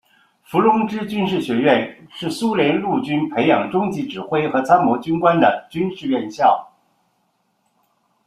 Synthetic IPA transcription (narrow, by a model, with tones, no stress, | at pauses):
fu˧˥lʊ˥ŋʈ͡ʂɻ̩˥t͡ɕy˥nʂɻ̩˥˩ɕɥɛ˧˥ɥɛ˥˧nʂɻ̩˥˩su˥ljɛ˧˥nlu˥˩t͡ɕy˥npʰe˧˥ɪjɑ˨˩ŋʈ͡ʂʊ˥ŋt͡ɕi˧˥ʈ͡ʂɻ̩˨˩xwe˥ɪxɤ˧˥t͡sʰa˥nmɔ˧˥t͡ɕy˥nkwa˥nd̪ə˨˩t͡ɕy˥nʂɻ̩˥˧ɥɛ˥˧nɕjɑ˥˩ʊ